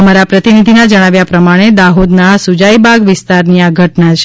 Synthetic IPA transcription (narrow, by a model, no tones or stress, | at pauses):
əmaɾapɾət̪inid̪ʱinad͡ʒəɽ̃aʋjapɾəmaɽ̃ed̪aɦod̪nasud͡ʒajbaɡʋɪst̪aɾniaɡʱəʈnat͡ʃʰ